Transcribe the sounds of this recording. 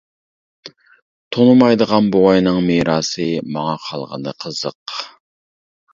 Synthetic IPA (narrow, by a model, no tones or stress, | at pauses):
t̪ʰonumɑjd̪əʁɑnbowɑjnɨŋmeɾɑːsɨmɑŋɑqʰɑlˠʁə̰nɨ̰qʰəz̥əq